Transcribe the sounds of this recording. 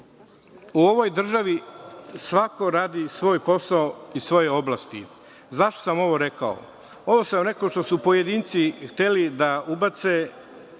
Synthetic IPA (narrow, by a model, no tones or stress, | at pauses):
uo̞ʋo̞jd̪r̩ʒaʋisʋako̞ɾaːd̪isʋo̞ːjpo̞saoisʋo̞jeo̞blˠast̪ḭ | zaʃt̪o̥samo̞ʋo̞ɾeka̰o̰ | o̞ʋo̞samɾekoʃt̪osupo̞je̞d̪iːnt̪sixt̪e̞lid̪aubat̪se